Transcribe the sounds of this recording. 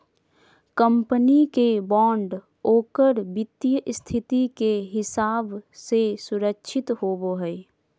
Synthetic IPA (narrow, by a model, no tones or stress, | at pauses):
kəmpənikebɔːɳɖ | oːkəɾbɪt̪ːjəʔst̪ʰɪt̪ikeɦɪsaːbsesʊɾəkʃʰɪt̪ɦoːboɦɛː